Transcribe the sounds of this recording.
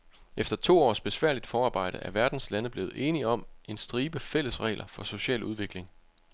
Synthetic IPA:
efd̥ɐt͡sʰo̝̰ːɒ̰ːsb̥e̝sʋæɐ̰lid̥fɒːɑ̈ːb̥ɑ̈ɪ̰ɾ̥əæɐʋæɐd̥n̩slænəb̥le̝ːð̞̩ˠʔe̝ːniɒ̽me̝nsd̥ʁiːb̥əfel̰əsʁɛ̰ːlʔɐfɒ̽so̝ɕɛ̰ːluð̞ˠʋe̝ɡ̥le̝ŋ

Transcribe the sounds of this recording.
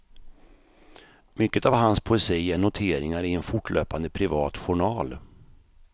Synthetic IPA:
mʏkːət̪avɦanspʰʊɛsiːæɳʊt̪ʰeːɾɪŋaɾɪɛnfʊʈːɭø̰ːpand̪əpʰɾɪvɑːt̪ɧʊɳɑːl

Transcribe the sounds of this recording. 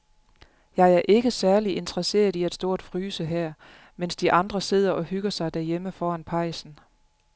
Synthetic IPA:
jɑ̈ɪæɐʔe̝ɡ̥əsæɐliʔe̝nt͡sʁɐse̝̰ːɐð̞ˠiæd̥sd̥o̝ɐ̰d̥fʁyːsəɦæɐ̰ | mensd̥iʔɑ̈nd̥ʁɐse̝ð̰ˠɐʔɒ̽hyɡ̥ɐsɑ̈ɪd̥æɐjeməfɒːænpʰɑ̈ɪsn̩

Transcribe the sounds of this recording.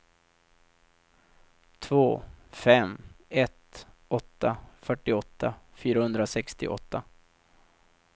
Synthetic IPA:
t̪ʰvoːfɛmɛt̪ɔt̪ːafœʈːɪɔt̪ʰːafyːɾahɵnd̪ɾasɛkst̪ɪ̰ʔɔ̰t̪ːa

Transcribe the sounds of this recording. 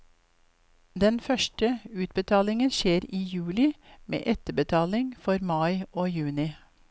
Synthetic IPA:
d̪ɛnfœʃʈəʉːt̪̚bət̪ʰɑːlɪŋənʃeːɾiːjʉːlɪmḛːʔɛt̪əbət̪ʰɑːlɪŋfɔɾmɑɪʔoːjʉːnɪ

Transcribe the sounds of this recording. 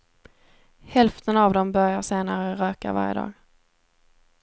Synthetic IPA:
hɛlft̪ʰənavd̪ɔmbœɾjaseːnaɾəɾœːka̰va̰ɾjə̰d̪ɑ̰ːɡ

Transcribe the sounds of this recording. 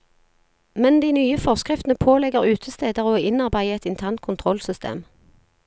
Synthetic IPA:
mɛnd̪iːnyːəfɔʁskʁɪft̪ənəpʰoːlɛɡəʁʉːt̪ʰəst̪eːd̪əʁoːɪnɑʁbæɪəɛt̪ɪnt̪ʰæʁnt̪̚kʰʊnt̪ʰʁɔlsʏst̪ḛːm

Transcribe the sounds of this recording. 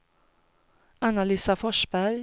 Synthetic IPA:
analyːsafɔʃbæɾ

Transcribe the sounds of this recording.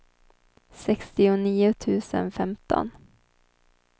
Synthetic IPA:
sɛkst̪ɪʊniːʊt̪ʰʉ̟ːsə̰nfɛmt̪ʰɔ̰n

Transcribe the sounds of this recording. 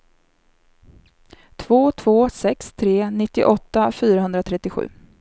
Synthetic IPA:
t̪ʰv̥oːt̪ʰvoːsɛkst̪ʰɾeːnɪt̪ːɪ̰ʔɔt̪ːafyːɾaɦɵnd̪ɾat̪ʰɾɛt̪ːɪɧʉ̟̰ː

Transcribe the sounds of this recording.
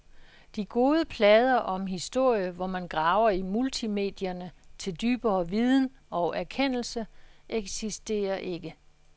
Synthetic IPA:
d̥iɡ̥o̝ːð̞ˠəpʰlɛːð̞ˠɐʔɒ̽mɦisd̥o̝ɐ̰jəʋɒmænɡ̥ʁɑ̈ʊɐimult͡sʰime̝̰ːd̥jɐnət͡sʰe̝ld̥yːb̥ɐːʋið̞ˠn̩ | ɒ̽ʊʔæɐkʰen̰l̩səʔeɡ̥sisd̥e̝̰ːɐʔe̝ɡ̥ə

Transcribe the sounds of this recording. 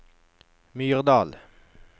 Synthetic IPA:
myːʁd̪ɑːl

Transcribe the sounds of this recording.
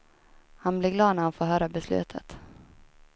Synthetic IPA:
hanblɪɡlɑːd̪naɾat̪foːɦœːɾabɛslʉ̟̰ːt̪ʰə̰t̪

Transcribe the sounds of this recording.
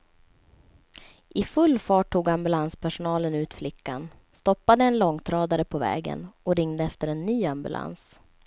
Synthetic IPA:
ʔɪfɵlːfɑːʈʰːuːɡambɵlanspʰæʂʊnɑːlənʉ̟ːt̪flɪkːan | st̪ɔpːad̪əɛnlɔŋːt̪ʰɾɑːd̪aɾəpʰɔvɛ̰ːɡə̰nɔɾɪŋd̪əɛft̪əɾɛnːyːambɵ̰lʔa̰ns

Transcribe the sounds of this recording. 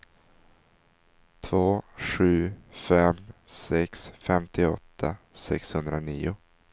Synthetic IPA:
t̪ʰvoːɧʉ̟ːfɛmsɛksfɛmt̪ʰɪɔt̪ʰːasɛkshɵnd̪ɾaniːʊ

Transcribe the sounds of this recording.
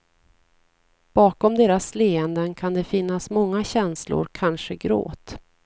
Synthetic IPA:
b̥ɑːkɔmd̪eːɾasleːɛnd̪ənkʰand̪ɛfɪnːasmɔŋːaɕɛnslʊ̰ɾkʰanʂəɡɾo̰ːt̪

